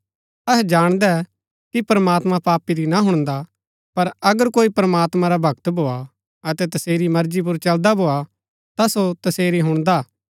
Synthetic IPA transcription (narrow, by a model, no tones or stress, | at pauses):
ɐɦɛd͡ʒaːɽ̃d̪ɛ | kipɾɐmaːt̪mãpaːpiɾinaɦʊɽ̃d̪a | pɐɾɐɡəɾkoːipɾɐmaːt̪mãɾabʱɐkt̪bʱoːa | ɐt̪ɛt̪ɐseːɾimɐɾd͡ʒip̬ʊɾt͡ʃɐld̪abʱoːa | t̪asot̪ɐseːɾiɦʊɽ̃d̪aː